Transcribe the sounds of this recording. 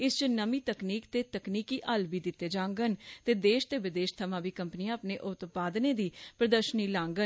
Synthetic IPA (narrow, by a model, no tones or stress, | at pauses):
ɪst͡ʃnəmiːt̪əkniːkt̪eːt̪əkniːkiːʔəlbiːd̪ɪt̪ːeːd͡ʒãːŋɡənt̪eːd̪eːʃt̪eːʋɪd̪eːʃt̪ʰəmãːʋiːkəmpniːãːəpneːʔʊt̪paːd̪neːd̪iːpɾəd̪əɾʃəniːlãːŋɡən